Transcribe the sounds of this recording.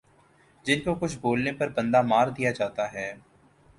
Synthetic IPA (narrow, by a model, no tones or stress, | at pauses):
d͡ʒɪnkokʊt͡ʃʰboːlnepɐɾbə̃nd̪aːmaːɾd̪ijad͡ʒaːt̪aɦɛː